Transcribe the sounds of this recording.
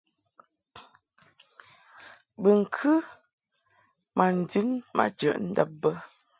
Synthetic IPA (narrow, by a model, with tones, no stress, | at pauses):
bə˨ŋ̩˨kʰʉ˦ | ma˨n̩˨di˦nma̰˦d͡ʒə̰˨ʔn̩˦də˦˨p̚bə˦